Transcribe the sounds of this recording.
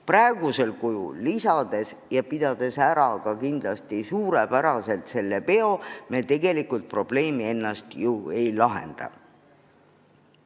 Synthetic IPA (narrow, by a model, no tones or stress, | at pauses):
præeɡuse̞lkujṵlːisɑd̪̥e̞sjɑpid̪̥ɑd̪̥e̞sæɾɑkɑkind̪̥lɑst̪isuːɾe̞pæɾɑse̞lt̪se̞lːe̞pe̞o̞met̪e̞ɡe̞likult̪̚pro̞b̥le̞ːmie̞nːɑst̪jue̞jlɑɦḛnd̪̥ɑ̰